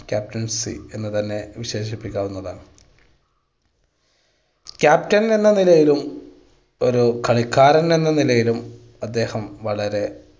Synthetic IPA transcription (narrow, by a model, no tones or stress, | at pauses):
kʲaːp̚tɐnsḭe̞nːɨt̪ɐnːe̞ʋiɕe̞ːɕipːikʲːaːʋunːɐðaːɳɨ | kʲjaːptɐne̞nːɐnilɐjilum | o̞ɾukɐɭikːaːɾɐne̞nːɐnilɐjilum | ɐd̪ːe̞ːhɐmʋɐɭɐɾe̞